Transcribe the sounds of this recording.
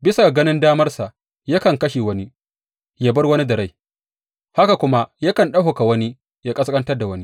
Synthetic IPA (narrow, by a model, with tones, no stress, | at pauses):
bɪ˦sa˨ɡɐ˦nɪ˦ndaː˦mɐ˦rsa˨ʔ | ja˦kɐ˨ŋkɐ˦ʃiː˨wɐ˦ni˦ | jaː˦bɐ˦rwɐ˦ni˦dɐ˨ɾa˦j | ha˦ka˨kʷʊ˦ma˦ja˦kɐ˨nɗɐ˦ɦo˨ka˨wɐ˦ni˦ | ja˦kʼɐ˦skʼɐ˦ntɐ˦rda˨wɐ˦ni˦